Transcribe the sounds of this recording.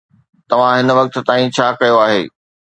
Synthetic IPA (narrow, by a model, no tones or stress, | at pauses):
t̪ɐʋ̤ãɦɪn̆ʋɐk̚t̪̆t̪aːĩt͡ɕʰaːkɐjoaːɦeː